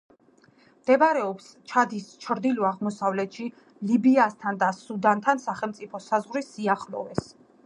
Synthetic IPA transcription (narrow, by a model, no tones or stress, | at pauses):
md̪ɛbɾɛɔps | t͡ʃʰad̪ist͡ʃʰɾd̪ilɔaʁmɔsavlɛt̪ʃi | libiast̪ʰand̪asud̪ant̪ʰansaχɛlmt̪sʼipʰɔsazʁɾisiaχlɔ̰vɛs